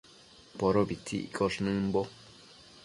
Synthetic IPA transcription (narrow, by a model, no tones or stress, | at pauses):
poɾobit͡sʰḭʔkoʂnɨ̃mbo